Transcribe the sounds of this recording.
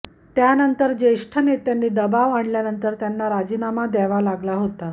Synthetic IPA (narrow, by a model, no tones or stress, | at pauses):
t̪janənt̪əɾd͡ʑeʂʈʰənet̪janːiːd̪əbaʋaɳljanənt̪əɾt̪janːaɾad͡ʑiːnamad̪ɛʋalaɡlaɦot̪a